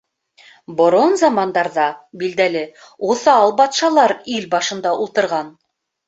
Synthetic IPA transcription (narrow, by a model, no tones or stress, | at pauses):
bŏɾonzɑmɑnd̪ɑɾðɑbild̪ælɘ | uθɑɑlˠbɑt̪ʃɑlˠɑɾilbɑʃɤ̆nd̪ɑʔulˠt̪ɤ̆ɾʁɑn